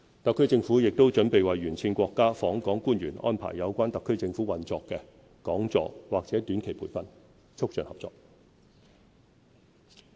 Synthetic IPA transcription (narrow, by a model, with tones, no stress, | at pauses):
t̪ɐ˨kʰːɵ˥ɥt͡sɪ˧ŋfuː˨˥jɪ˨k̚t̪o˥wt͡ʃɵ˨˥npe˨jwɐ˨jɥyː˨˩nt͡sʰiː˧nkʷɔː˧kːaː˥fɔː˨˥ŋkɔː˨˥ŋkuː˥nɥyː˨˩nʔɔ̰ː˥npʰa̰ː˨˩jːjɐ˨˧wkʷaː˥nt̪ɐ˨kʰːɵ˥ɥt͡sɪ˧ŋfuː˨˥wɐ˨nt͡sɔː˧kːɛ˧ | kɔː˨˥ŋt͡sɔ̰ː˨waː˨k̚t͡sɛː˨˥t̪yː˨˥nkʰe˨˩jpʰuː˨˩jfɐ˨n | t͡sʰʊ˥k̚t͡ʃœː˨nhɐ˨p̚t͡sɔ̰ː˨˩k̚